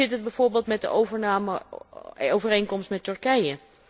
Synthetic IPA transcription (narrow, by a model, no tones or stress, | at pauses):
ɪtəd̚bɛjv̥oːɹbeːlˠtmɛt̚də̰ʔowvəɹnaːmə | owvərejnkɔmstmɛtɵɹkɛjə